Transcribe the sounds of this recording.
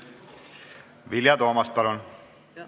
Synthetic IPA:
ʋiljɑt̪oːmɑst̪̚pɑlun

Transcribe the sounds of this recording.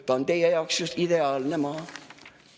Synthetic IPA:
t̪ːɑont̪eijejɑoksjust̪id̪eɑːlnemɑː

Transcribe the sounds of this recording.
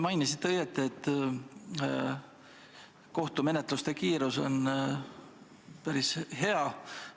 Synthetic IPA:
mɑjnisid̪ɤjet̪ːˑeet̪ː | ko̞ht̪ume̞net̪ˑlust̪e̞kiːɾuso̞̰n | pæɾishe̞ɑ

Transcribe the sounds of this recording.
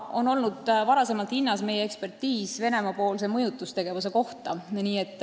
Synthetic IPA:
ʔo̞no̞lnud̪vɑɾɑse̞mɑlt̪hinːɑsme̞jeekspe̞rt̪ːiːsve̞ne̞mɑpo̞ːls̬e̞mɤjut̪ːˑust̪eɡ̥e̞vus̬e̞ko̞ht̪ɑniːe̞t̪ːˑ

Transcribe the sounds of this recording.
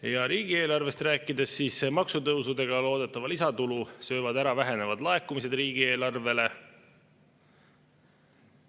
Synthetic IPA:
jɑɾiːɡ̥ie̞ːlɑrve̞st̪ræːkːˑid̪e̞sːiːsmɑksut̪ɤwsud̪e̞ɡ̥ɑlo̞ːd̪e̞t̪ːˑɑvɑlisɑt̪ulusø̞ːvɑd̪æɾɑvæɦe̞ne̞vɑd̪lɑe̞kumise̞d̪riːɡ̥ie̞ːlɑrve̞le̞

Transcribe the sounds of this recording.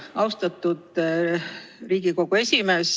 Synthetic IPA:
ɑwst̪ɑt̪ːˑud̪̥ | riːɡ̥iko̞ɡ̥ue̞sʲime̞s

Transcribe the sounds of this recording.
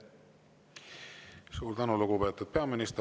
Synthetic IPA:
suːɾd̪ænuluɡ̥upe̞ːt̪ːˑud̪̥̚pe̞ɑminist̪

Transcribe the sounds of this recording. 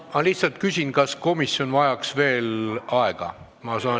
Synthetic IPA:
mɑliht̪sɑlt̪kysʲinkɑsko̞misːjo̞nvɑjɑksve̞ːlɑeɡ̥ɑ̰ | mɑsɑː

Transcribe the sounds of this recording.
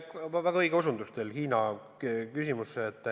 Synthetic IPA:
kɑvæɡɑɤjɡ̥eosund̪ust̪e̞lhiːnɑ | kysimusːeːt̪ːˑ

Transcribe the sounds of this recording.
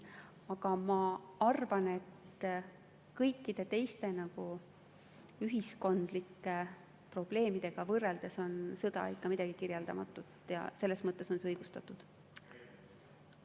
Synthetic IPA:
ɑɡ̥ɑmɑɑrvɑne̞t̪ː | kɤjkːˑid̪̥e̞t̪e̞jst̪e̞nɑɡ̥u | yɦisko̞nd̪̥likːe̞ | pro̞b̥le̞ːmid̪̥e̞ɡ̥ɑvɤrːe̞ld̪̥e̞so̞nsɤd̪̥ɑ̰ikːɑmid̪̥ɑɡ̥ikirjeld̪ɑmɑ̰t̪ːˑut̪jɑ̰se̞lːe̞smɤt̪ːˑeso̞nseɤjɡ̥ust̪ɑt̪ːˑud̪̥

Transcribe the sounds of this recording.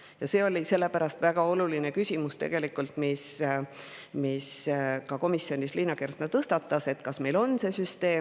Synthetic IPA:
jɑse̞ːo̞lʲise̞lːe̞pæɾɑst̪væɡ̥ɑo̞luline̞kysʲimust̪e̞̰ɡ̥e̞likːˑult̪mis | miskɑko̞misːjo̞nʲislinɑkersnɑt̪ɤst̪ɑt̪ˑːɑse̞t̪kɑsme̞jlo̞nse̞syst̪e̞ː

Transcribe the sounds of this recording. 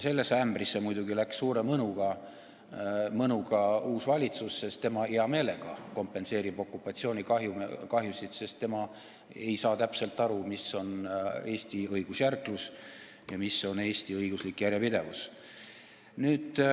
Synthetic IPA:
se̞lːesːeæmbrisːemujd̪uɡilækssuːɾe̞mɤnuɡ̥ɑ | mɤnuɡɑuːsvɑlʲit̪susːe̞st̪e̞mɑeɑme̞ːle̞ɡ̥ɑko̞mpːe̞nse̞ːɾib̥o̞kːˑupːˑɑt̪sio̞ːnʲikɑɦjukɑɦjusit̪se̞st̪ːe̞mɑ | e̞jsɑːt̪æpse̞lt̪ːˑɑɾumiso̞ne̞ːsʲt̪iɤjɡ̥usjærklus | jɑmisːo̞ne̞ːsʲt̪iɤjɡuslikːjæɾjɑpid̪e̞vus | nyːd̪̥

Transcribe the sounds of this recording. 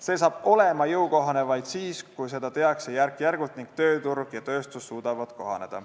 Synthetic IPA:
se̞ːsɑːb̥o̞le̞mɑjɤwko̞ɦɑne̞vɑjd̪̥siːskujs̬e̞d̪ɑt̪e̞ɑksejærkːˑjærɡ̥ut̪niŋɡ̥̚t̪ø̞ːt̪urɡ̥jɑt̪ø̞ːst̪usːuːd̪̥ɑvɑt̪ko̞ɦɑ̰ne̞d̪̥ɑ̰

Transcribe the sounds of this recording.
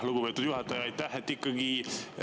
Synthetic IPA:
hloɡubpet̪ːud̪̥juhɑt̪ːɑjɑjt̪ːɑɦet̪ːikːɑɡi

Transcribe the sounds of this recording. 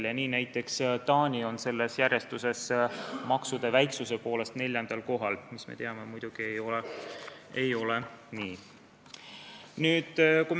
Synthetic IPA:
ljɑniːnæjt̪ːˑe̞kst̪ɑːnʲio̞nse̞lːe̞sjæɾje̞st̪use̞smɑksud̪̥e̞væjksuse̞po̞ːle̞st̪ne̞lʲjɑnd̪̥ɑlko̞ɦɑlmismḛt̪e̞ɑme̞mujd̪̥uɡ̥ie̞jo̞le | ejo̞le̞niː | nyːd̪̥kum

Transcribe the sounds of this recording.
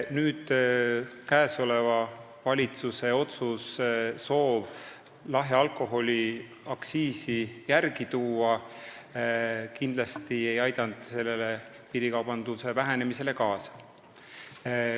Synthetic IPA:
nyːd̪̥ | kæeso̞le̞vɑ | vɑlʲit̪suse̞o̞t̪susːo̞ːv | lɑɦeɑlko̞ɦo̞lʲi | ɑksiːsijærɡ̥it̪uːɑ | kind̪lɑst̪ie̞jɑjd̪̥ɑnd̪̥se̞lːe̞le̞ | piɾikɑwb̥ɑnd̪̥use̞væɦe̞ne̞mise̞le̞kɑːsɑ̥

